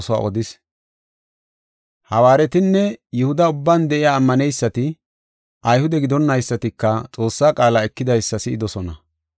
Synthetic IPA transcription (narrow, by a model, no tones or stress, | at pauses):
sɔa̰ːʔɔd̪ɪs | hɐwaːɾɛt̪ɪnːɛjɛhʊd̪ɐʊbːand̪ɛʔɪjaːmːɐnɛjsːɐt̪ɪ | ʔɐjhʊd̪ɛɡɪd̪ɔnːɐjsːɐt̪ɪkːɐt͡sʼo̞ːsːaːkʼaːlaɛkːɪd̪ɐjsːɐsɪɪd̪ɔsɔnɐ